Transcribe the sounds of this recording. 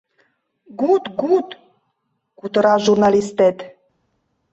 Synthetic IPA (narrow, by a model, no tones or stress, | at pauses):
ɡut̪ɡut̪ | kut̪əɾɑʒurnalist̪et̪